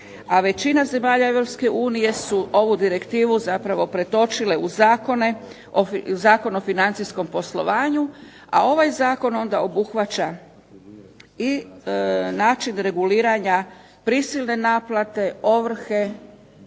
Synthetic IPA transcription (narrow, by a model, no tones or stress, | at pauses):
aʋe̞t͡ɕinaze̞maːʎae̞ʋɾo̞pske̞ʔuːnije̞suʔo̞ʋud̪iɾe̞kt̪iːʋuzapɾaʋo̞pɾe̞t̪o̞t͡ʃile̞uzaːko̞ne | ozaːko̞nofinant̪sisko̞mpo̞slo̞̰ʋaːɲu | a̰o̞ʋajzaːko̞no̞nd̪ao̞buxʋat͡ʃa | i | naːt͡ʃinɾe̞ɡuliːɾaɲa | pɾisilne̞naːplˠat̪e̞o̞ʋr̩xe̞